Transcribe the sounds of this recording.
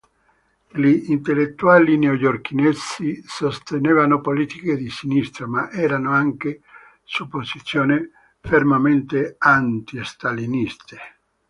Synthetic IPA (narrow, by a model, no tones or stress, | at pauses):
liːnt̪elːet̪ːuaːlinojork̟inesisost̪eneːvanopoliːt̪iked̪isinist̪ɾomaʔɛːɾanoaŋke | supːosit̪sːjoːni | fermament̪eant̪iest̪alinist̪e̥